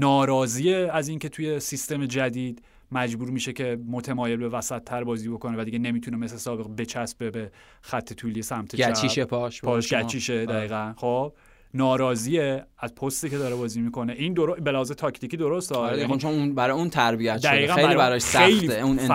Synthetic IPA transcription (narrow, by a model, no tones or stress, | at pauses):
nɒːɾɒːziːeæziːncʰe̞t̪ʰuje̞sist̪e̞me̞d͡ʒæd̪iːd̪ | mæd͡ʒbuːɾmiːʃe̞cʰe̞mo̞t̪ʰemɒːje̞lbe̞væsæt̪ʰːæɾbɒːziːbo̞kʰonevæd̪iɟe̞ne̞miːt̪ʰunemeslesɒːbe̞ɣbe̞t͡ʃʰæsbe̞be | xæt̪ʰːe̞t̪ʰuːlijesæmt̪ʰeæt͡ʃiʃepʰɒʃpʰɒːʃɡæt͡ʃʰiːʃed̪æɣiːɣænxob̥̚ | nɒːɾɒːziːeæzpʰost̪iːcʰe̞d̪ɒːɾebɒːziːmiːko̞ne̞ʔind̪oɾobe̞læhɒːzet̪ʰɒcʰt̪icid̪o̞ɾost̪ɒːont͡ʃʰonunbæɾɒjeunt̪ʰæɾbijæt̪d̪æɣiːɣænejmlibæɾɒʃsejiːun